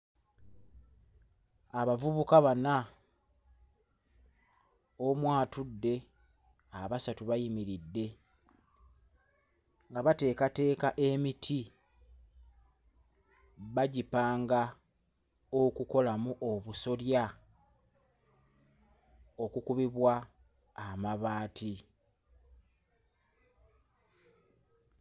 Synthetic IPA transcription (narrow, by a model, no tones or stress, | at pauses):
aβavuβukaβana | omwaːtudːe̞ | aβasatuβajimiɾidːe̞ | ŋɡaβate̞ːkate̞ːkaʔe̞mitʰi | βaɟipaːŋɡa | okuko̞lamuʔo̞βuso̞lja | o̞kukuβiβwaː | maβaːtʰi